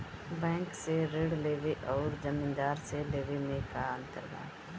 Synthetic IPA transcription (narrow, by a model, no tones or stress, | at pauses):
bɛ̃ːŋkseɾeːɽleːʋeʔɔːɾd͡ʒɐmĩnd̪aːɾseleːʋemẽkaə̃nt̪ə̰ɾɡa̰ː